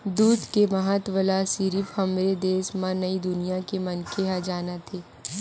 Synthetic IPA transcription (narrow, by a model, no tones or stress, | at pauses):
d̪uːd̪kemɐɦat̪wəlasiɾifhɐmɾed̪eːsmãnɐid̪ʊnijakemɐnkeɦad͡ʒaːnat̪ʰeː